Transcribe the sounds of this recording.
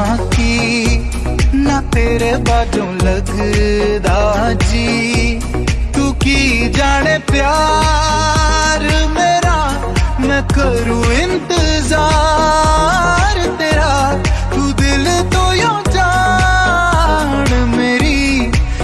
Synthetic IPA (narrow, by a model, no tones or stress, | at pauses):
ki | nɐt̪eːɾebaːd͡ʒõːlɐɡ | d̪ad͡ʒi | t̪uːkid͡ʒaːɽ̃epjaː | ɾmeːɾa | mɛkəɾuɪ̃nt̪ɪzaː | ɾt̪eːɾa | t̪uːd̪ɪlt̪oːjõd͡ʒa | ɽmeːɾi